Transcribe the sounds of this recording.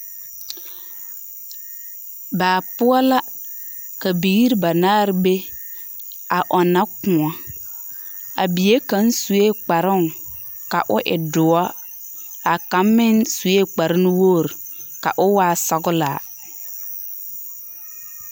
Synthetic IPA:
baː˨pʊ˦ɔ˦la˦ | ka˨bi˨ɣi˦ɾba˨naː˦ɾɪ˦be˦ | a˨ʔɔ˨na˦kʊ̃˨a˦ | a̰˨bi˨je˦ka˨˦nsu˨e˦k͡pa˨ɾʊ˦ŋ | ka̰˨ʔʊ˦ʔɪ̰˨dʊ˨a˦ | a˨ka˨˦mːɪ˦nsu˨e˦˨k͡pa˨ɾɪ˦nɪ˦woː˦˨ɾka̰˨ʔʊ˦waː˦˨sa˨ɡʊ˦laː˨

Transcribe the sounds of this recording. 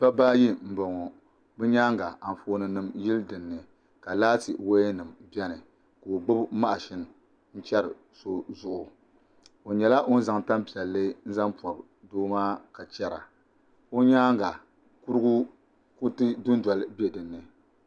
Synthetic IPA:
pa˦baː˦ji˦m̩˨bɔ˨ŋɔ˨ | bɛ˦ɲaː˦ŋɡa˨a˨n˨foː˦nɨ˨nɨ˨mji˦ldɨ˨nːɨ˨ | ka˨laː˦tɨ˨wo˦nɨ˨mbɛ˦nɨ˨ | ko˨o˨ɡ͡bɨ˦bma˦ʔa˨ʃi˦n˨ | n̩˦t͡ʃɛ˦ɾɨ̰˨ | so˦zʊ˦ʔʊ˨ | o˨ɲɛ˨la˦ʔo˦n̩˦za˨ŋta˦mpi˨ɛ˨lːɨ˦n̩˦za˦mpɔ˨b | doː˦maː˦ka˨t͡ʃɛ˦ɾa̰˨ | o˦ɲaː˦ŋɡa˨ | ku˦ɾɨ˦ɡu˦ | ko˦tɨ˦dʊ˦n˦dwɔ˨lbi˦ɛ˨dɨ˨nːɨ˨

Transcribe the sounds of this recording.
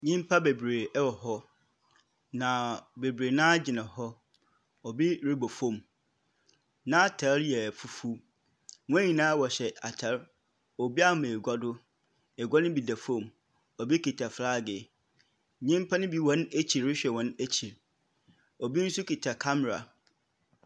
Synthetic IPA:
ɲĩ˦m˦pʰa˦be˨bɾeː˨˦wɔ˨ɦɔ˦ | nã˨be˨bɾeː˨nãː˦d͡ʑɪ˨nã˨hɔ˦ | ɔ˨bi˦ɾi˦bo˨fõ˦˨m | nã˦a˦˨tʰa˨˦ɾjɛ˨fu˨fu˦ | ŋʊ̃˦ɲĩ˨nãː˦wɔ˨ɕɛ˨a˨tʰa˨˦ɾ | ɔ˨bi˦a˦mã˨e˨ɡʷa˦dʊ˦ | ɛ˨ɡʷa˦nɪ̃˦bi˨da˨fõ˦˨m | ɔ˨bi˦kʰi˨tʰa˨fɾaː˦˨ɡɪ˨ | ɲɪ̃˦m˦pʰã˦nɪ̃˦bi˦wɔ̃˦næ˦t͡ɕʰi˨ɾɾɪ˦ɕᶣɛ˨wɔ̃˦næ˦t͡ɕʰi˨ɾ | ɔ˨bi˦n̩˦sʊ˦kʰi˨tʰa˨kʰa˦mɛ˨ɾa̰˨

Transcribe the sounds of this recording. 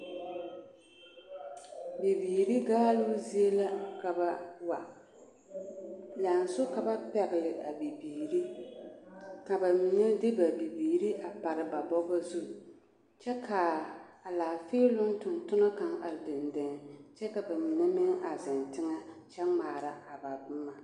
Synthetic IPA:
bi˨biː˨ɾi˦ɡaː˦lu˦zi˦e˦la˦ka˨ba˨wa˨ | la˨n˨sʊ˦ka˨ba˦pɛ˨ɡɪ˨lɪ˨ʔa˨bi˨biː˨ɾi˦ | ka˨ba˨mi˨ne˦dɪ˦ba˨bi˨biː˨ɾi˦ʔa˨pa˨ɾɪ˨ba˨bɔ˦ɡa˦zu˦ | t͡ʃɛ˦kʰa˨a˨laː˨feː˦lʊ˦n˦tʊ˨ntʊ˦na˦ka˦ŋa˨ldɪ˨ndɪ˨ŋ˨t͡ʃɛ˦ka˨ba˨mi˨nɛ˦mɪ˦ŋa˨zɪ˨ntɪ˦ŋa˦t͡ʃɛ˦ŋ͡maː˨ɾa˨a˨ba˨bʊ˦ma˦

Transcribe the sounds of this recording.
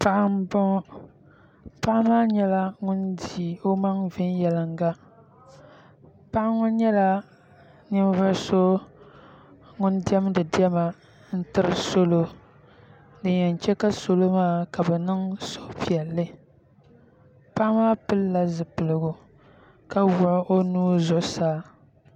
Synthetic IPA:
pa˦ʔa˦m˦bɔ˦ | pa˦ʔmaː˦ɲɛ˦la˦ŋʊ˦ndi˨o˦ma˦ŋvɪ˦njɛ˨lɨ˨ŋɡa˦ | pa˦ʔa˦ŋʊ˦nɲɛ˦la˦ | nɪ˦m˦va˦so˦ | ŋʊ˦ndi˦ɛ˦mdɨ˨di˦ɛ˦ma˨ | n̩˦tɨ˦ɾɨ˦so˦lo˦ | dɨ˨ɲɛ˨n˨t͡ʃɛ˦ka˦so˦lo˦maː˦ka˨bɛ˨nɨ˦ŋso˦pi˨ɛ˨lːɨ˦ | pa˦ʔmaː˦pɨ˦lːa˦zɨ˨pɨ˨lɨ˨ɡʊ˨ | ka˦wʊ˨ʔʔo˦nuː˦zʊ˨ʔʊ˦saː˦

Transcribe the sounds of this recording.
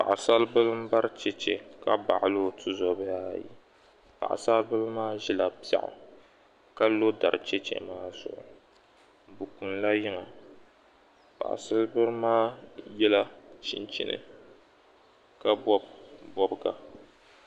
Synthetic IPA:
pa̰˨ʔa˨sa˦lbɨ˦lɨ˦m̩˦ba˦ɾt͡ʃɛ˦t͡ʃɛ˨ka˦ba̰˨ʔlo˦tʰɨ˦zɔ˨bɨ˦jaː˦jḭ˨ | pa̰˨ʔa̰˨sa˦lbɨ˦lmaː˦ʒi˦la˨pa̰˨ʔʊ̰˨ | ka˦lo˦da̰˨ɾt͡ʃɛ˦t͡ʃɛ̰˨maː˦zʊ̰˨ʔʊ̰˨ | bu˨ku˨nla˦jɪ˦ŋa˨ | pa̰˨ʔa̰˨sɨ˦lbɨ˦ɾmaː˦jɛ˦la˦ʃi˦nt͡ʃɪ̰˦nɨ̰˨ | ka˦bɔ˦bbɔ˦bɡa˨

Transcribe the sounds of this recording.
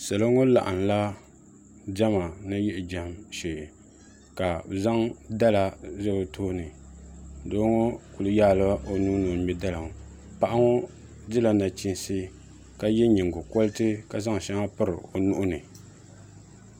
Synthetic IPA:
sa˨la˦ŋo˦la̰˨ʔa˨n˨la˦ | d͡ʒa˦ma˨nɨ˦jɛ˦ʔɪ˨d͡ʒa˨mʃe˨ | ka˨za˦ŋda˦la˨zɛ˦bɨ˨toː˦nɨ˨ | doː˦ŋo˦ku˨lɨ˦ja˦˨la˦o˦nuː˦no˨mɛ˦da˦la˨ŋ˨ | pa˦ʔa˦ŋo˦ | dɨ˦la˨na˨t͡ʃi˦n˦sɨ˦ | ka˦jɛ˦ɲi˨ŋ˨ɡʊ˨kɔ˦lɨ˦tɨ˦ka˨za˦ŋ˨ʃa˦ŋa˦pɨ˦ɾɨ̰˨o˨nʊ˦ʔʊ˦nɨ˨

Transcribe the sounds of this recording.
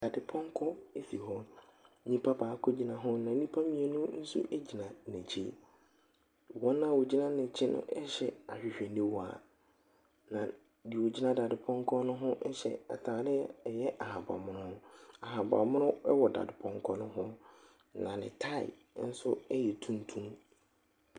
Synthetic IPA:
d̥a˨dɪ˨pʰɔ̃˦ŋ˦kʰɔ˦e˦fi˨ɦɔ˦ | nĩ˦pʰa˦baː˨˦kʰɔ˦d͡ʑi˦nã˨ɦʊ̃˦nã˨˦ĩ˦pʰa˦mĩ˨ɛ˨nʊ̃˦n̩˦sṵ˦ʔæ˦d͡ʑi˨nã˨nɛ̃˨t͡ɕʰḭ˦ | wɔ̃˦nːã˦˨wɔ˨d͡ʑi˦nã˦nɪ̃˨t͡ɕʰɪ˦nʊ̰̃˦ɛ˦ɕɛ˨a˨ɕᶣɪ˨ɕᶣɛ˨nĩ˦wɔ˦a̰˨ | nã˨ | di˨wo˨d͡ʑi˦nã˦da˨dɪ˨pʰɔ̃˦ŋ˦kʰɔ˦nʊ̃˦ɦʊ̃˦ʔɛ˦ɕɛ̰˨a̰˨tʰaː˨˦dɪ˦˨jɛ˦ʔa˨ha˨ba̰˨mʊ̃˦nʊ̃˦ʊ̃˦a˨ha˨ba̰˨mʊ̃˦nʊ̃˦ɛ˦wɔ˨da̰˨dɪ˨pʰɔ̃˦ŋ˦kʰɔ˦nʊ̃˦ɦʊ̃˦ | nã˨nɪ̰̃˨tʰa˦˨ɪ̰˨˦ | n̩˦sʊ˦ɛ˦jɛ˨tʰũ˦n˦tʰũ˦m

